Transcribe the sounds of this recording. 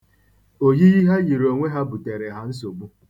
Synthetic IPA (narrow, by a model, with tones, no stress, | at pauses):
o˨ɦi˦ɣi˦ɦa˦ɣi˨ɾo˨ŋʷe˦ɦa˦bu˨te˨ɾe˨ɦa˦n̩˦s̬o˨ɡ͡bu˦